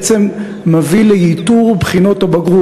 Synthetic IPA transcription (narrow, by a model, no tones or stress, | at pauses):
t͡semː | avilejit̪uʁbχinot̪obaɡʁu